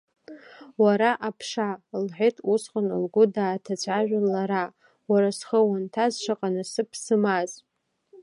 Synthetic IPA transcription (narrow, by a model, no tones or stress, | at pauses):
waɾaʔapʰʂalħʷᶣetʼʰusχʷanɨ̰lɡʷʊdaːtʰat͡ɕʷʰʼaʒᶣanlaɾa | waɾasχəwantʰazʂʷʰaqʼanasɨpʰsɨmaz